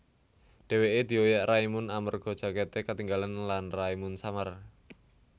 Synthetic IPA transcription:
ɖ̥e̤weʔed̪̥i̤ojaʔraimʊnamərɡ̥ɔ̤̥ʒ̥a̤ket̪ekat̪iŋɡalanlanraimunsamar

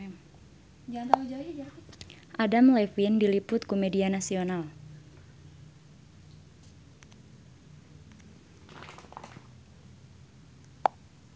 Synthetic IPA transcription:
d͡ʒat̪aud͡ʒad͡ʒa | ʔadamlɛfindilipʊt̪komedianasional

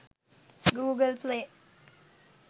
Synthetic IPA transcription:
ɡuːɡəlple

